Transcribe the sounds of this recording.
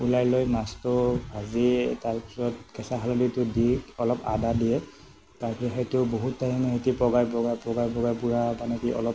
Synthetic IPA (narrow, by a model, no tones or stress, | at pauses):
ulajlojnastʊazitaɹpi̥sɔt̚kɛsaɦaloditʊdiɔlɔpa̰dadijɛ | taɹpiɔɦejtʊboɦutːaɹimaɦetipɹɔɡajpɹɔɡajpɹɔɡajpɔɡajpuɹabanekiʔɔ̰lɔp